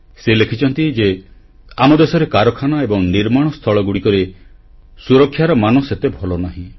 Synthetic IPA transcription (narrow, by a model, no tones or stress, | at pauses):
selekʰit͡ʃɔnt̪id͡ʒe | amɔd̪esɔɾekaɾɔkʰanaebɔŋniɾmaɽ̃ɔst̪ʰɔɭɔɡuɽikɔɾe | suɾɔkʰːjaɾɔmanɔset̪ebʱɔlɔnaɦĩ